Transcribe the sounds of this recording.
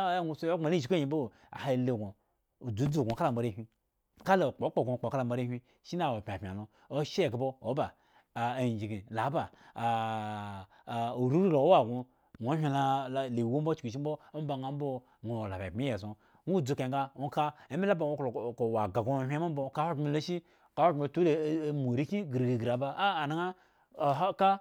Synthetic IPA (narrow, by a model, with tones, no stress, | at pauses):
ŋʷu˨so˦o˦ŋ͡ma˨li˦˨ʃi˨kji˨bo˦˨ | a̰˨ha˨le˨ɡo˨ | u˨d͡zu˨˦d͡zu˨ɡʷo˨ka˦la˨m̩˨ba˨ɾe˦hʲʷi˦ | ka˦lo˨k͡po˨˦k͡po˦˨ɡʷo˨k͡po˨ka˦la˦˨m̩˦ba˨ɾe˦hʲi˦ | ʃi˦na˦˨wo˨pʲa˨pʲa̰˨lo˦ | o˦ʃe˦˨ɡa˨bo˦o˨˦ba˨ | a˨d͡ʒi˨ɡi˨la˨˦ba˨ | o˨ɾu˦ɾu˦lo˨o˦wa˨ɡo˨ | nʷo˨˦hʲʷi˦la˦˨le˨wu˦m̩bo˦t͡ʃi˨ʃ̬i˦m̩˦bo˦o˦m˦ba˨ŋa˦m˦bo˦ | ŋo˨la˨ba˨pi˦je˨s̬o˨ | ŋu˦˨d͡zu˨˦ka˨ɡa˦o˦ka˦e˨˦me˦la˦ba˨o˦˨ko˨wa˨ɡa˨ɡõ˦ɦʲʷo˦m̩˦o˦ka˦ho˦ɡmi˧˦lo˦ʃi˦ | ka˨˦ho˦˨mi˦˨tu˦˨mo˨ɾi˦ki˦ɡɾɡi˨ɡɾa˨baː˦˨na˦ŋa˦˨˦ | ka˦